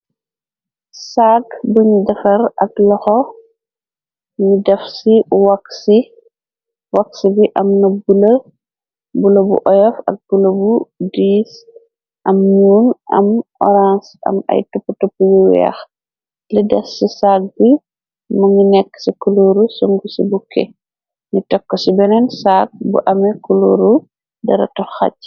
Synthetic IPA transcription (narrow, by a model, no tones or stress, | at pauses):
saɡbuɲdɐfɐɾɐ̰klɔxɔ | ŋidɐfsiwɐkːsi | wɐksibiʔɐmnɐbulɐ | bulobṵʔɔjɔfɐ̰k̚bulɐbudiːs | ʔɐmɲuːnɐ̰mɔ̰ɾãnsɐ̰mɐ̰jtɔpːutɔpːujuwɛ̰x | lidɐsːisaːk̚bi | mɐŋɡinɛkːsikuloɾusuŋɡusḭbukɛ̰ | ŋitɔkːɔsibɛnɛnsaːk̚bṵʔɐmɛkuloɾu | dɐɾɐ̰tɔxa̰c